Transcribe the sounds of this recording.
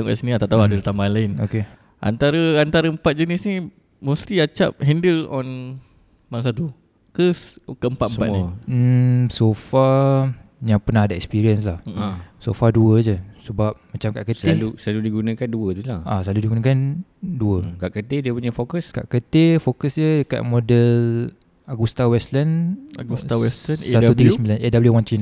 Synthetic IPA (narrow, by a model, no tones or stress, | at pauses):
aŋka̰ʔsənĩat̪aʔt̪auadəut̪ambalaɪnoke | ʔa̰nt̪aɾəant̪aɾəəmpat̪̚d͡ʒənisni | mũst̪iat͡ʃa̰p̚hɛndəlɔ̃n | maŋs̬at̪u | kəskəəmpat̪mpat̪ni | sofa | jaŋpənaɦadaɛkspiɾiənslahsofaduəd͡ʒəsəbap̚mat͡ʃamkaʔkət̪elusaludiɡunə̃kanduət̪ulaʔasaludiɡunə̃kanduəkaʔkət̪ediəpuɲafokəska̰ʔkət̪efokəsd͡ʒədəka̰t̪̚modəl | aɡust̪awɛslanaɡust̪awɛst̪anssat̪ut̪iɡəsəmbilanɛdabəljuwant̪ɾina